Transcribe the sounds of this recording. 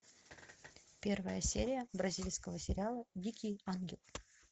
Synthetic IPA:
pʲe̞rvəjəsʲeɾʲɪjəbɾɐzʲilʲskəvəsʲɪɾʲɪalˠədʲikʲɪjanɡʲɪlˠ

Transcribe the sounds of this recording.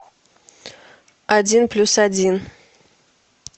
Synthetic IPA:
adʲinplʲusadʲin

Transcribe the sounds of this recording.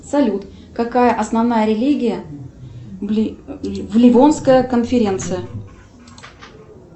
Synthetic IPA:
sɐlʲut̪ | kɐkajəʔɐsnɐvnajəɾʲɪlʲiɡʲɪjə | vlʲɪvonskəjəkənfʲɪɾʲe̞nt̪sɨjə

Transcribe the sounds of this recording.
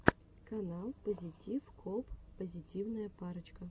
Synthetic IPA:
kɐnalˠpəzʲitʲifkʰopːəzʲitʲivnəjəpaɾət͡ɕkə

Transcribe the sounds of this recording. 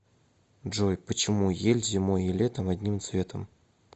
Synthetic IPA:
ʐojpət͡ɕɪmujelʲzʲɪmojilʲet̪əmɐd̪ʲnʲimt̪svʲe̞t̪ʰəm

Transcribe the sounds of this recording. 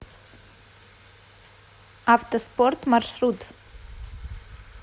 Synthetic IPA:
aft̪əspɔrt̪marʃrud̪

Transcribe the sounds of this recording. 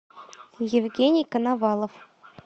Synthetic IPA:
jevʲɡʲenʲijkɤ̆nɑvɑlˠŏf

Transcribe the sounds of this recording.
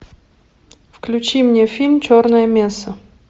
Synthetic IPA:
fklʲʉt͡ɕimnʲefʲilʲmt͡ɕornəjəmʲesə

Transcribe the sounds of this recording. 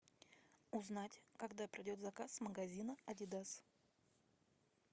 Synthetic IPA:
ʊznatʲkɐɡd̪apɾʲɪdʲo̞t̪zɐkasməɡɐzʲinəɐdʲɪd̪as

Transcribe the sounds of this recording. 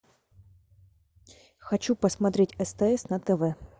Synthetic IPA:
xɐt͡ɕupəsmɐt̪ɾʲetʲɛst̪ɛɛsnɐt̪ɛvɛ

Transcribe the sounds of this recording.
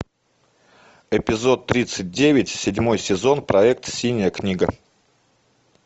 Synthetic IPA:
ɪpʲɪzo̞t̪ːɾʲit̪sɨt̚ʲdʲevʲɪtʲsʲɪdʲmo̞jsʲɪzo̞npɾɐɛk̚t̪sʲinʲɪjəknʲiɡə

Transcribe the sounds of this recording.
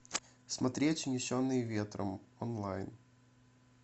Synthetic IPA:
smɐt̪ɾʲetʲnʲɪɕonːɨjvʲet̪ɾə̰mɔnlˠajn

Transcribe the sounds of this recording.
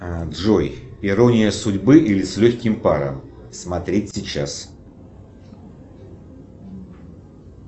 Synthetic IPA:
d̪ʐojɪɾonʲɪjəsʊdʲbɨʔilʲɪsʲlʲɵxʲkʲɪmpaɾə̰msmɐt̪ɾʲetʲsʲɪt͡ɕːas

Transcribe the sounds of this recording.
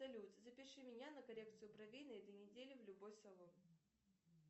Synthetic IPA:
ɐlʲut̪zɐpʲɪʂɨmʲɪnʲanəkɐɾʲek̚t̪sɨjʊpɾɐvʲinəɛt̪əjnʲɪdʲelʲɪvlʲʊbojslˠɐlˠɔm

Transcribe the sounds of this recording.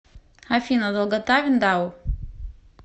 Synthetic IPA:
hafinad̪alɡat̪avʲind̪aw

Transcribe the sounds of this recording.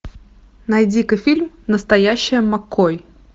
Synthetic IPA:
nɐjd͡zʲikɨjfʲilʲm | nəst̪ɐjaɕːɪjəmɐkːoj

